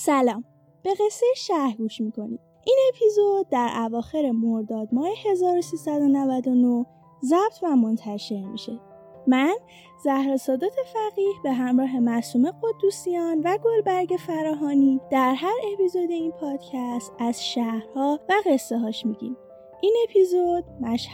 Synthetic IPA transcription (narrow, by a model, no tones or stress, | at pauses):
sælɒːm | b̥e̞ɣe̞sːe̞jeʃæhɾɡuːʃmiːkʰo̞nḭm | ʔiːne̞pʰizod̪̚ːæɾʔævɒːxe̞ɾe̞moɾd̪ɒːd̪mɒːhehe̞zɒːɾosiːsæd̪o̞nævæd̪o̞no | zæb̥̚t̪ʰvæmo̞nt̪ʰæʃe̞ɾmḭʃe̞ | mæn | zæhɾɒːsɒːd̪ot̪ʰe̞fæɣiːhbe̞ɦæmɾɒːɦe̞mæsuːme̞ɣo̞d̪ːusijɒːnvæɡo̞lbæɾɟe̞fæɾɒːɦɒːniːd̪̥æɾɦæɾe̞pizod̪e̞inpʰɒːd̪̥cʰæst̪æz̥ʃæhɾhɒːvæɣe̞sːeɦɒːʃmiɟḭm | ʔine̞pʰizod̪̥̚mæʃh